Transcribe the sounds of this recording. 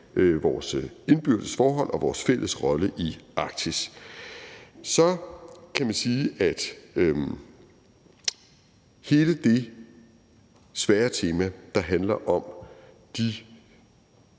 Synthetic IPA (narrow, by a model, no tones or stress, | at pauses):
ʋɒːse̝nb̥yɐ̰d̥əsfɒːɦɒ̽l̰ʔɒ̽ʋɒːsfel̰əsʁɒ̽ləʔiʔɑ̈ɡ̥̚t͡sʰis | sɒ̽kʰæmænsiːʔæd̥ø | he̝ːləd̥e̝ | sʋæːɐt͡sʰe̝ːmæd̥ɑ̈ɦænlɐʔɒ̽m | d̥i